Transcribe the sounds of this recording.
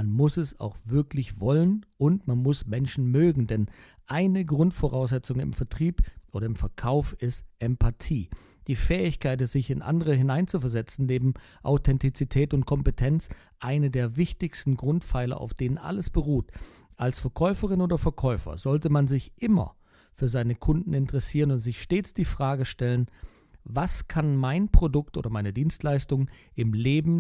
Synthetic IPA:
anmʊsɛsa̰ʊxv̥ɪɐklɪçv̥ɔlənʔʊntmanmʊsmɛnʃn̩møːɡŋ̩dɛn | ʔaɪnəɡʁʊntfoʁaʊs̬z̥ɛt͡sʊŋənɪ̰mfɛɐtʁ̥iːpʔoːɾɐɪmfɛɐkʰaʊfɪstʔɛmpʰatʰiː | d̥iːfɛːɪçkʰaɪt̬z̥ɪçɪnʔa̰ndəʁəɦɪnaɪnt͡sufɛɐzɛt͡sn̩neːbm̩ | ʔa̰ʊtʰɛntit͡sitʰɛːtʊntkʰɔmpətʰɛnt͡s | ʔaɪnədeːɐvɪçtɪçstn̩ɡʁʊntfaɪlɐ̰ʔa̰ʊfd̥eːnənʔa̰ləsb̥əʁuːt | ʔalsfɛɐkʰɔʏfəʁɪnoːdɐfɛɐkʰɔʏfɐ̰zɔltəmanzɪçʔɪmɐ̰ | fyːɐzaɪnəkʰʊndn̩ɪntəʁɛsiːʁənʊntz̥ɪçʃteːt͡sd̥iːfʁ̥aːɡəʃtɛlən | vaskʰanmaɪnpʁ̥odʊk̚tʔo̰ːdɐmaɪnədiːnstlaɪstʊŋʔɪmleːbm̩

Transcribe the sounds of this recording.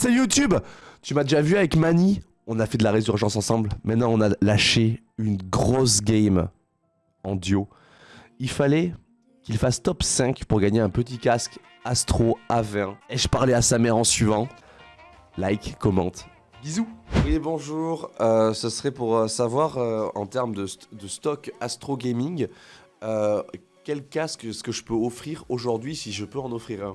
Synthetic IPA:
sɛjut̪ybt̪ymad̪eʒavyavɛkmani | ɔ̃nafɛd̪əlaʁezyʁʒɑ̃sɑ̃sɑ̃blmɛ̃t̪nɑ̃ɔ̃nalaʃe | ynɡʁɔs̬ɡʲɛjm | ɑ̃d̪jo | ilfalɛ | kʲilfast̪ɔpsɛ̃kpuʁɡaɲeɛ̃pət̪ikʲask | ast̪χoavɛ̃ɛʒpaʁlɛasamɛʁɑ̃sɥivɑ̃ | lajkkːɔmɑ̰̃t̪ | bizuwjebɔ̃ʒuːʁøsəsəχɛpuʁøsavwaʁøɑ̃t̪ɛʁmd̪əd̪əst̪ɔkast̪χoɡʲɛmiŋɡ | ø | kʲɛlkʲasksə̥kəʒəpøɔfχiʁoʒuʁd̪ɥisiʒəpøɑ̃nɔfχiʁɛ̃

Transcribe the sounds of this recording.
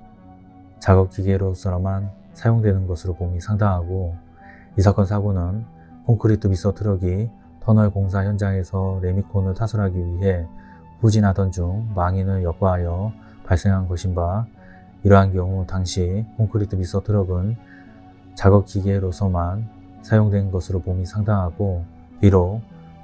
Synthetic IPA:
t͡ɕaɡʌk̚k͈iɡe̞ɾosʰʌɾʌman | sʰajoŋdwe̞nɯnɡʌsʰɯɾopomisʰaŋdaŋɦaɡo | isʰak͈ʌnsʰaɡonɯn | kʰoŋkʰɯɾitʰɯpis͈ʌtʰɯɾʌɡi | tʰʌnʌɭkoŋs̬ʰaçjʌnd͡ʑaŋe̞sʰʌɾe̞mikʰonɯɭtʰasʰʌɾɦaɡiɥiɦe̞ | pud͡ʑinɦadʌnd͡ʑuŋmaŋinɯɭjʌk̚k͈aɦajʌ | paɭs͈e̞ŋɦanɡʌɕʰinba | iɾʌɦankjʌŋutaŋɕʰikʰoŋkʰɯɾitʰɯpis͈ʌtʰɯɾʌɡɯn | t͡ɕaɡʌk̚k͈iɡe̞ɾosʰʌman | sʰajoŋdwe̞nɡʌsʰɯɾopomisʰaŋdaŋɦaɡo | iɾo

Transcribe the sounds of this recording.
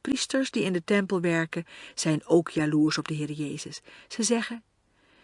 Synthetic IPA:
pristəɹsdiɪndətɛmpəlˠʋɛɹkəz̥ɛjnowkʰjaːluːɹsɔb̚dəɦɪːɾəjeːjzəsːəzɛχən

